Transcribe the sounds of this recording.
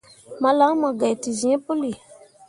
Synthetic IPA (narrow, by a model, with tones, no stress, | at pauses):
mã˨lã˨˦mã˨ɡɛ˨ti˨zĩ˨ɛ̃˦po˦li˨